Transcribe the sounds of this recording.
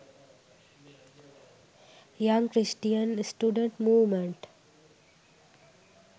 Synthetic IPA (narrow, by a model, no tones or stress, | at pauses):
jʌ̃ŋkɾɪsʈijə̃nsʈjuːɖə̃ɳʈmuːʋmẽɳʈ